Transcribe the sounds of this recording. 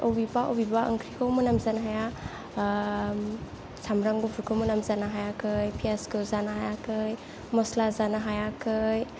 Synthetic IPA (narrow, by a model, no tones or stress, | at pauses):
ʔowbibaʔo̰wbibaʔə̰ŋkʰɾikʰawmɐnamzanɦaja | sʰamɾaŋɡupʰuɾkʰɯwmɐnamzanaɦajakʰɯjpʰiaskɯzanaɦajakʰɯj | mɔslazanaɦajakʰɯj